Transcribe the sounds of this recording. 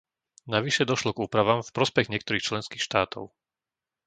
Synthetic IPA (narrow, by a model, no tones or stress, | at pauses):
naʋiʃɛd̪ɔʃlɔɡuːpɾaʋaːmfpɾɔspɛɣɲɪɛkt̪ɔɾiːxt͡ʃlɛnskiːxʃt̪aːt̪ʰɔ̰ʊ